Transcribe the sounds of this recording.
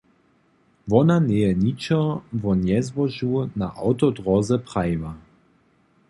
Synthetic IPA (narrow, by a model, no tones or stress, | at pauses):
vɔnanɛjɛnit͡ʃɔvɔnjɛzvɔʒunaʔa̰wt̪ɔdʁɔzɛpʁ̥ajva